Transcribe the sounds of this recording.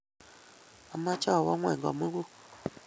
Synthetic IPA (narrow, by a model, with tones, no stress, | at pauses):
a˨ma˦t͡ʃa˦˨wa˦ŋwɛ˨ŋɡa̰˨mu˦ku˦